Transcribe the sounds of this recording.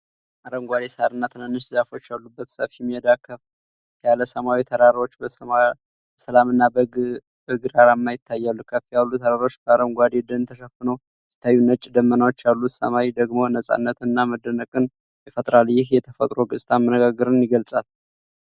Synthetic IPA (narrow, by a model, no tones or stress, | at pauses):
ʔaɾəmɡʷad̪esaɾɨnːat̪ʰɨnənːɨʃzafo̞t͡ʃːjalːubːət̪səfijɛmːihɛd̪akʰəf | jaləsəmawit̪ʰəɾaɾo̞t͡ʃːbə | səlamɨnːa | bəɡɨɾaɾamːajɪt̪ʰːajːalːukʰəfijalːut̪ʰəɾaɾo̞t͡ʃːbəaɾəmɡʷad̪ed̪ənt̪ʰəʃəfːɨnəw | sɨ̥t̪ʰːajːunət͡ʃʼːd̪əmːənawo̞t͡ʃːjalːut̪sə̰mawid̪əɡmo̞nəsʼa̰nːət̪ɨnːaməd̪ːənəkʼɨn | jɛfət̪ʼɾaljɪhjɛt̪ʰəfət̪ʼɾo̞ɡɨsʼt̪ʰamənəɡaɡɨɾɨnjɪɡəlsʼal